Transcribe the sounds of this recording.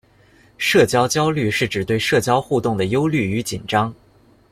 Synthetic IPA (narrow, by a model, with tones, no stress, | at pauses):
ʂɤ˥˩t͡ɕjɑ˥ʊt͡ɕjɑ˥ʊly˥˧ʂɻ̩˥˩ʈ͡ʂɻ̩˨˩t̪we˥˧ɪʂɤ˥˩t͡ɕjɑ˥ʊxu˥˧t̪ʊ˥˩ŋd̪ə˩jo˥ʊly˥˩y˧˥t͡ɕi˨˩nʈ͡ʂɑ˥ŋ